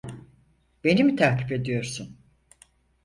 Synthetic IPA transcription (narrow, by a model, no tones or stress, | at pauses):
be̞nimit̪ʰaɾcʰipe̞d̪ijo̞ɾsun